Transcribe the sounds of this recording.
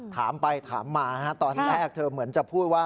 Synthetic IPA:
t̪ʰaː˩˦mpa˧jt̪ʰa̰ː˩˦mːaː˧nʰa˦˥t̪ɔː˧nɾɛː˥˩k̚t̪ʰɤː˧mɯ˩˦ənt͡ɕa˨˩pʰuː˥˩t̪̚waː˥˩

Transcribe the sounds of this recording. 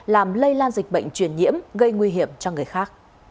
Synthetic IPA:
laː˨˩mlə˧jlaː˧nzï˨˩k̟̚ɓə̰˧˨jŋ̟t͡ɕwi˧˩ənɲḭ˧˥əmɣə˧jŋwi˧ɦi˧˩əmt͡ɕɔ˧ŋɨ˨˩əjxaː˦˥k̚

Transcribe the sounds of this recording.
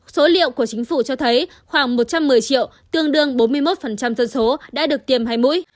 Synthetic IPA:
so˨˦lḭ˧˨əwku˧˩ət͡ɕï˨˦ŋ̟fu˧˩t͡ɕɔ˧t̪ʰə˨˦j | xwaː˧˩ŋmo˨˩t̚t͡ɕa˧mːɨ˨˩əjt͡ɕḭ˧˨əw | t̪ɨ˧əŋɗɨ˧əŋɓo˨˦nmɨ˧əjmo˦˥t̚fə˨˩nt͡ɕa˧mzə˧nso˨˦ɗa̰ː˧˥ɗɨ˨˩ək̚t̪i˨˩əmɦaː˧jmṵ˧˥j

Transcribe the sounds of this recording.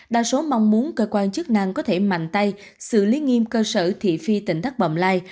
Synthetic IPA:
ɗa̰ː˧˨so˨˦ma˧wŋ͡mmu˨˦ənkəː˧kwaː˧nt͡ɕɨ˦˥k̚na˧ŋkɔ˨˦t̪ʰe˧˩ma̰˧˨jŋ̟t̪a˧j | sɨ̰˧˨li˨˦ŋi˧mkəː˧səː˧˩t̪ʰḭ˧˨fi˧t̪ï˧˩ŋ̟t̪ʰa˦˥k̚ɓə̰˧˨ŋ͡mlaː˧j

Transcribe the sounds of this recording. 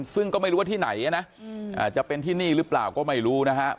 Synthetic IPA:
sɯ˥˩ŋkɔː˥˩ma˥˩jɾu˦˥a˥˩iː˥˩na̰˩˦jʔa˧na˦˥ʔʔa̰ː˨˩t͡ɕa˨˩pe˧nt̪ʰiː˥˩niː˥˩ɾɯː˦˥pla̰ː˨˩wkɔː˥˩ma˥˩jɾuː˦˥na˦˥kʰa˦˥ʔ

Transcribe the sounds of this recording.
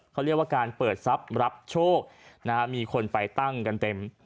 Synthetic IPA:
kʰa˦˥wɾi˥˩k̚waː˥˩kaː˧npɤː˨˩t̪̚sa˦˥p̚ɾa˦˥p̚t͡ɕʰoː˥˩k̚na˦˥miː˧kʰo˧npa˧jt̪a˥˩ŋka˧nt̪e˧m

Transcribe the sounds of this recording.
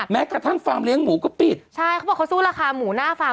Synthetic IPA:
mɛː˦˥kaː˨˩t̪ʰa˥˩nfaː˧mli˦˥əŋmuː˩˦kɔː˥˩pi˨˩t̪̚t͡ɕʰa˥˩jkʰa˧˦bɔː˨˩kʰsuː˥˩laː˧kʰaː˧muː˩˦naː˥˩faː˧

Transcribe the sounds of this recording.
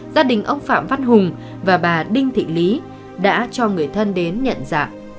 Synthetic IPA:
zaː˧ɗï˨˩ŋ̟ʔə˧wŋ͡mfa̰ː˧˨mva˧nɦʊ˨˩ŋ͡m | vaː˨˩ɓaː˨˩ɗï˧ŋ̟t̪ʰḭ˧˨li˨˦ | ɗa̰ː˧˥t͡ɕɔ˧ŋɨ˨˩əjt̪ʰə˧nɗe˨˦nɲə̰˧˨nza̰ː˧˨ʔ

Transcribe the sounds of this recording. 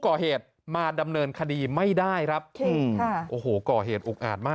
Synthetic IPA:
kɔː˨˩heː˨˩t̪̚ | maː˧da˧mnɤː˧nkʰa˧diː˧ma˥˩jdaː˥˩jkʰa˦˥p̚ːɯ˩˧˩ʔoː˨˩hoː˩kɔː˨˩ɦeː˨˩t̪̚ʔuː˨˩k̚ʔa̰ː˨˩t̪̚maː˥˩

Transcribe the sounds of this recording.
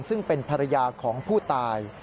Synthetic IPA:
msɯ˥˩ŋpe˧npʰa˧ɾa˧jaː˧kʰɔː˩˦ŋpʰuː˥˩t̪aː˧j

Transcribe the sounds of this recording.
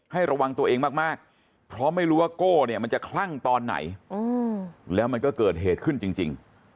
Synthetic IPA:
ha˥˩jɾa˧wa˧ŋt̪u˧ɐʔeː˧ŋmaː˥˩k̚maː˥˩k̚ | pʰɾɔ˦˥ma˥˩jɾuː˦˥waː˥˩koː˥˩ni˥˩ɐma˧nt͡ɕa˨˩kʰla˥˩ŋt̪ɔː˧nːa̰˩˦jɤː˧lɛː˦˥wma˧nkɔː˥˩kɤː˨˩t̪̚ɦeː˨˩t̪̚kʰɯ˥˩nt͡ɕi˧ŋt͡ɕi˧ŋ

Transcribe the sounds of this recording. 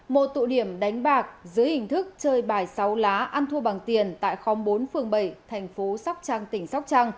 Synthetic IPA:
mo˨˩t̚t̪o̰˧˨ɗi˧˩əmɗa˨˦jŋ̟ɓaː˨˩k̚zɨ˨˦jhï˨˩ŋ̟t̪ʰɨ˦˥k̚t͡ɕəː˧jɓaː˧˩jsa˨˦wlaː˨˦ʔa˧nt̪ʰu˧ɓaː˨˩ŋt̪i˨˩ənt̪a̰ː˧˨jxɔ˨˦ŋ͡mɓo˨˦nfɨ˨˩əŋɓə˧˩jt̪ʰɛ˨˩jŋ̟fo˨˦sa˦˥wk͡p̚t͡ɕaː˧ŋt̪ï˧˩ŋ̟sa˦˥wk͡p̚t͡ɕaː˧ŋ

